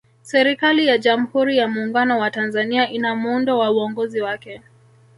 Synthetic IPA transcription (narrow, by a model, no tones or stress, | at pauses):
sɛɾikalijaʄam̩huɾijamuːŋɡanɔwatanzaniaʔinamuundɔwauɔŋɡɔziwakɛ